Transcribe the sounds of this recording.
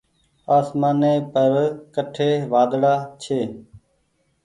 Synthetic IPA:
aːsmaːneːpəɾkəʈʰeːʋaːd̪ɽaːt͡ʃʰeː

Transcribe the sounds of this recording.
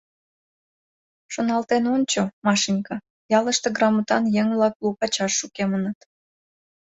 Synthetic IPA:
ʃonɑlt̪enonʲt͡ɕomɑʃinkɑ | jɑləʃt̪eɡrɑmut̪ɑnjeŋβlɑklukɑt͡ɕɑʃːukemənət̪

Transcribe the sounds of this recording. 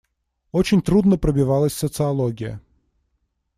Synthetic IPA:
ɔt͡ʃɪnʲt̪ɾud̪nɐpɾɐbʲiʋɑlˠɐsʲsɔt̪sɨɐlˠɔɡʲijɐ̰

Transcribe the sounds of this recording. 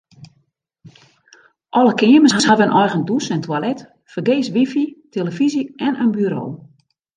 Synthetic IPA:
ʔɔləkɪːəməsɦashaʋɛnʔɔjɣəndusɛntʰwalɛt | fərɡeːsʋifitʰeləfiziɛnənbyɾo̰ː

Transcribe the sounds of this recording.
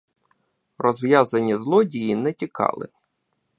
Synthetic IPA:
rɔzʋjazɐnʲizlˠɔdʲijinɛtʲikʰɑ̰lˠɪ̰

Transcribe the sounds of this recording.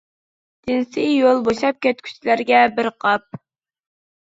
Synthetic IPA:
d̪̥ɪnsijolˠboʃɑp̚kʲʰɛt̪kʲʰy̥t͡ʃʰlæɾɡʲɛbɪɾqʰɑp̚

